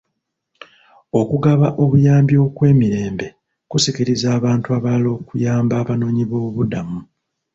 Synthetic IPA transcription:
o̞kuɡaβaʔo̞βujaːmbjo̞kwe̞ːmiɾe̞ːmbe̞ | kusikiɾizaːβaːntuaβaːlo̞ːkujaːmbaːβano̞ːɲiβo̞ːβudamu

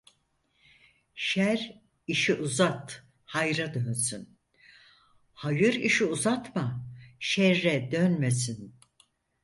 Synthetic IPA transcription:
ʃæɾ | iʃiʔuzat̪ | hajɾad̪ønsyn | hajɯɾiʃiuzat̪maʃɛɾːɛd̪ønmesin

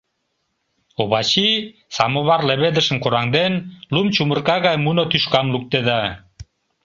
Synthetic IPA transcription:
oβɑt͡ɕi | sɑmoβɑrleβed̪ə̆ʃə̆mkoɾɑŋd̪enlumt͡ɕumərkɑɣɑjmunot̪yʃkɑmluk̚t̪ed̪ɑ

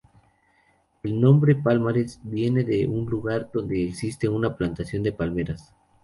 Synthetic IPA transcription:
e̞lnõ̞mbɾe̞palmaɾesbje̞ne̞ðe̞ʔunluɣaɾd̪o̞nd̪e̞ːksist̪e̞unaplant̪asjo̞nd̪e̞palme̞ɾas

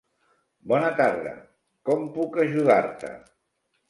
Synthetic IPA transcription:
bɔnət̪aɾðə̰ | kɔmpukəʒuðaɾt̪ə̰

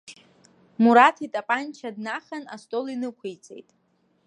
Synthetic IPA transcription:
muɾatʰitʼapʼant͡ʃʰadnaχana̰stʼo̞linɨkʷʰejt͡sʼḛjtʼ

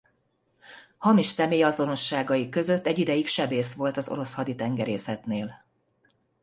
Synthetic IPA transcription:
hɒmiʃsɛmeːjɒzo̞no̞ʃːaːɡɒjikø̞zø̞t̪ːɛɟːid̪ɛjikʃɛbeːsʋo̞lt̪ɒzo̞̰ɾo̞shɒd̪it̪ɛŋɡɛɾeːsɛt̪neːl

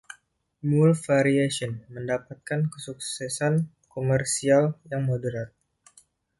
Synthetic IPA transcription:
mulfaɾiasɔnməndapat̪̚kankəsuk̚sɛsan | komərsialjaŋmodəɾat̪̚

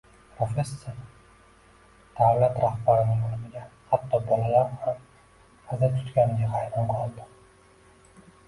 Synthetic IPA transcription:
pʰɾofʲe̞sːoɾ | d̪̥awlat̪ɾahbaɾɪnɪŋolɪmɪɡʲahat̪ːɒbɒlalaɾham | hazat̪ʰʊ̥t̪kʲanɪɡ̪ʲahajɾɪmqʰɒlˠd̪ɪ

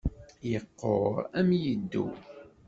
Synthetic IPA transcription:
jəqːoʁæmjəd̪ːṵ

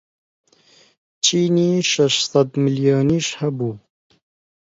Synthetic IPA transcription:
t͡ʃiːniːʃɐʃsɐd̪miljɑːniʃhabuː

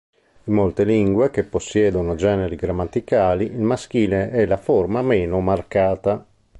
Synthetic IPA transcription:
imːolt̪eliŋɡwek̟epːosːjɛːd̪onod͡ʒɛːneɾiɡɾamːat̪ːikaːliʔilmask̟iːleɛlaformamɛːnomarkaːt̪a

